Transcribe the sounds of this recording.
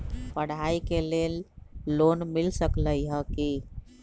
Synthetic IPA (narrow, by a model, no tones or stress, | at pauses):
pəɽ̤aikelelːonmilsəkləiɦəki